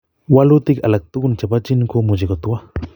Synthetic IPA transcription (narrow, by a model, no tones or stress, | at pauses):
walut̪ikalak̚t̪ukunt͡ʃapat͡ʃinkomud͡ʒekot̪ua